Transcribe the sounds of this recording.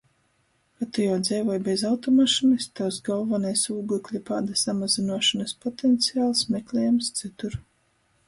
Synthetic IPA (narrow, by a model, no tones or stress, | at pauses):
kat̪ujawd̪zɛjvɔjbʲezawt̪ɔmaʃinist̪awsɡɔlˠvanajsuːɡuklʲipaːd̪asamazinuɔʃanaspɔt̪ɛnt̪sijaːlˠsmʲeklʲɛjamst̪sɨt̪uɾ